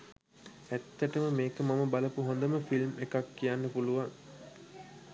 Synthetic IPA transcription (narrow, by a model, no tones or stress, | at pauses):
æt̪ːæʈəməmeːkəmaməbaləpuɦond̪əməfilmekakːijanːəpuluʋaŋ